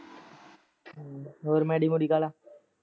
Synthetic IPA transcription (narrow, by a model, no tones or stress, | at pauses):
oɾmɛɖimuɽikala